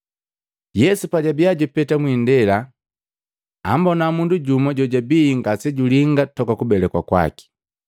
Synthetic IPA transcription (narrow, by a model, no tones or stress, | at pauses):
jɛsupaɟabiaɟupɛtamwindɛla | ambɔnamunduɟumɔɟɔɟabiŋɡasɛɟuliŋɡatɔkakubɛlɛkwakwa̰ki̥